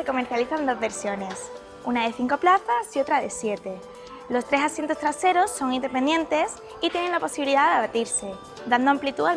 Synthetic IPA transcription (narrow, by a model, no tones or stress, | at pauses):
eko̞me̞ɾθjaliθand̪o̞zβe̞ɾsjo̞ne̞s | unaðe̞θiŋko̞plaθasio̞t̪ɾaðe̞sje̞t̪e̞ | lo̞st̪ɾe̞sasje̞nt̪o̞st̪ɾase̞ɾo̞sːo̞ŋind̪e̞pe̞nd̪je̞nt̪e̞s | it̪je̞ne̞ŋlapo̞siβiliðaðeβat̪iɾse̞ | d̪and̪o̞amplit̪ua